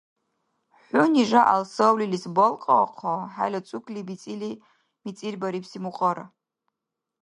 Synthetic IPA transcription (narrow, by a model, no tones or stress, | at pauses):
ħʷʊniʒʷaʔa̰lsowlilisbolqʼaqʰaħa̰lʲat͡sʷʼukʰʼlibit͡sʼili | mit͡sʼirbaɾipʰsimuqʼəɾa̰